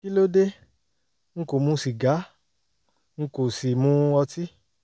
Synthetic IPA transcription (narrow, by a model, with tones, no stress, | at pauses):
ki˦lo˦de˦ | ŋ̩̃˦ko˨mũ˧˦si˨ɡa˨˦ | ŋ̩̃˧ko˨si˨mũ˦ɔ˧ti˦